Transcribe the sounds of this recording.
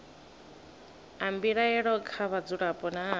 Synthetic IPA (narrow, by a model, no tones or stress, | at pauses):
ambiɺaɛɺɔkʰaβad͡zuɺapʼɔna